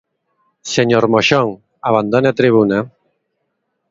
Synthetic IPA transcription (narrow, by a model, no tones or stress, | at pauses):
seɲoɾmoʃoŋ | aβand̪oneat̪ɾiβ̞una